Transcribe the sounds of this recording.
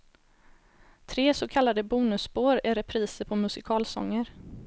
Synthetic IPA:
t̪ʰɾeːsokʰalːad̪əbuːnɵsːboːɾɪɾɛpʰɾiːsəɾpʰɔmɵsɪkʰɑːlsɔ̰ŋːəɾ

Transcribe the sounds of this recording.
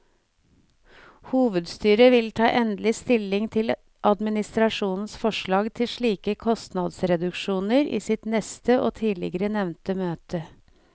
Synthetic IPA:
huːʋəd̪st̪yːɾəʋɪlt̪ʰɑːʔɛnd̪lɪst̪ɪlɪŋt̪ʰɪl | ʔɑd̪mɪnɪst̪ɾɑʂuːnn̩sfɔʂɭɑːɡt̪ʰɪʂɭiːkəkʰɔst̪nɑd̪sɾɛd̪ʉkʃuːnəɾḭːsɪt̪nɛst̪əʔo̰ːt̪ʰiːlɪ̰ɡəɾənɛʋnt̪əmøːt̪ə

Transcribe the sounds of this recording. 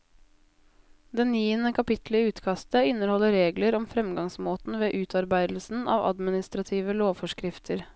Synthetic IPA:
d̪ɛniːənəkʰɑpɪt̪ləɪʉːt̪kʰɑst̪əɪnəɾhɔlːəɾeːɡləɾɔmfɾɛmɡɑŋsmoːt̪n̩ʋeːʔʉːt̪ʰɑɾbæɪd̪l̩sn̩ʔɑ̰ːʋɑ̰d̪mɪnɪst̪ɾɑt̪ʰiːʋəloːʋfɔʂkɾɪft̪ʰəɾ

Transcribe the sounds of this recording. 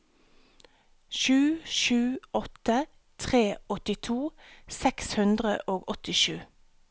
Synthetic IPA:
ʃʉːʃʉːɔt̪ə | t̪ʰʁeːɔt̪ɪt̪ʰuːsɛkshʉnd̪ʁə̰ʔoːɡɔt̪ɪʃʉː

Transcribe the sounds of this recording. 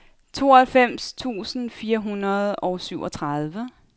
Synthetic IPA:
t͡sʰo̝̰ːɒhælfem̰st͡sʰṵːsn̩fiːɐɦunɐð̞ˠɒ̽ʊsyʊʔɒ̽t͡sʰʁað̞ˠʋə

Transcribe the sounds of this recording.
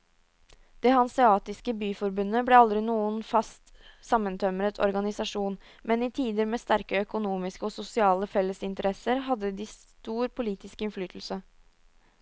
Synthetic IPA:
d̪̥eːhɑnsɪɑːt̪ɪskəbyːfɔɾbʉnːəblɛɑld̪ɾɪnuːənfɑst̪sɑmːənt̪ʰœməɾət̪ʰɔ̰ɾɡɑnɪsɑʂuːn | mɛnɪt̪ʰiːd̪əɾmeːst̪æɾkəœkʊnuːmɪskəɔsʊsɪɑːləfɛlːəsɪnt̪əɾɛsəɾɦɑd̪ːəd̪is | t̪uːɾpʰʊliːt̪ɪskɪnflyːt̪ʰl̩sə

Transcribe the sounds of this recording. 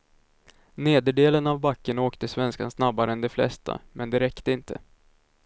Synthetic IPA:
neːd̪əɖeːlənavbakːəɳoːkt̪əsvɛnska̰nsnabːaɾəɛnd̪ɛflɛ̰st̪ʰa̰mɛnd̪ɛɾɛkt̪əɪnt̪ʰə̰

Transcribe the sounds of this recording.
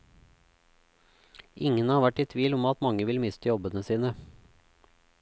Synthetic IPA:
ʔɪŋənɑːɾʋæʈːiːt̪ʰʋiːlɔmɑt̪mɑŋəʋɪlmɪst̪ʰəjɔbənəsiːnə

